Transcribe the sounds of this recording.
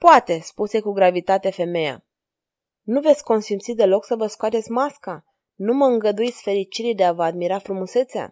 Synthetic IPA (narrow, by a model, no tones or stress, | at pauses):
poat̪e̞spuse̞kuɡɾavit̪at̪efe̞me̞ja̰ | nuve̞t̪sʲko̞nsimt̪sid̪e̞lo̞ksəvəskoat̪e̞t̪sʲmaska | numəɨŋɡəd̪uit̪sʲfe̞ɾit͡ʃiɾid̪eavəad̪miɾafɾumuse̞t̪sea̰